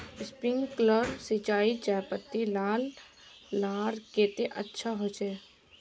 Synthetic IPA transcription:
spɾɪ̃ŋɡkləɾsit͡ʃaːit͡ʃaːpət̪ːilaːlː | aːɾkeːt̪eʔətːʃʰaɦot͡ʃɛː

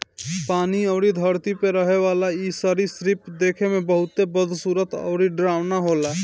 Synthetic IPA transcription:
paːniəʊɾid̪ʱəɾt̪ipeɾəɦeʋaːlaisəɾisɾipd̪eːkʰemẽbəɦʊt̪ebəd̪ʱsuːɾət̪ɔ̰ːɾiɖɾaːwnaɦoːla

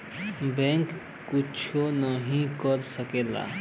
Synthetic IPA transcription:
bẽŋk | kut͡ʃʰonəɦĩkəɾsəkela̰

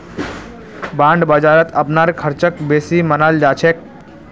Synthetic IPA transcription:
bãːɳɖbəd͡ʒaːɾət̪ʰəpnaːɾkʰəɾt͡ʃək̚beːsimənald͡ʒaːt͡ʃʰeːk̚

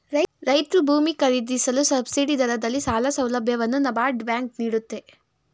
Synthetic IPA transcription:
ɾɐɾɐjt̪ɾubʱuːmikɐɾid̪isɐlusɐbsiɖid̪ɐɾɐd̪ɐlːisaːlɐsɐwlɐbʱjɐʋɐnːunɐbaːɾɖbjaːŋk̚niːɽut̪ːe̞

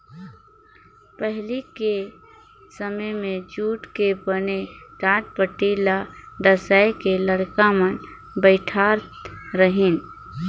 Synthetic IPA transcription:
pəɦlike | səməmẽd͡ʒuːʈkebəneɖaːʈ̚pəʈilaɖəsajkeləɽkamən | bəɪʈʰa | ɾəɦin

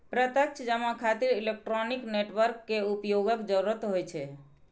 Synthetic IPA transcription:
pɾət̪ək̚t͡ʃʰəd͡ʒəmakʰat̪iɾilek̚ʈɾɔnikneʈʋəɾkːeupjoɡəkd͡ʒəɾuɾət̪ɦojt͡ʃʰɛ

